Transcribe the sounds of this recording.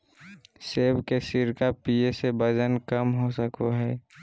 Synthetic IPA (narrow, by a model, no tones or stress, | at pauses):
seːbkesɪɾkapiesebəd͡ʒənkəmɦosəkoɦɛː